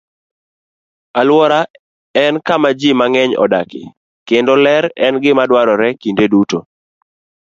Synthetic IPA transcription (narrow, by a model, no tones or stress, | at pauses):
alwɔɾa | ɛnkamad͡ʒimaŋɛɲɔ̰dakɪ̰ | kendolɛɾɛnɡɪmadwaɾɔɾɛkindeduto